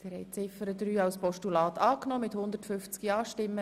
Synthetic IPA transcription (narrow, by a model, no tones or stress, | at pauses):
t̪ɪɾhɛjt͡sɪfəɾəd̪ɾyːɑwspɔʃtulɑːt̪ʰɑːknɔːmɪt̪hʊnd̪ərtfʏft͡skiɑːʃtɪmːə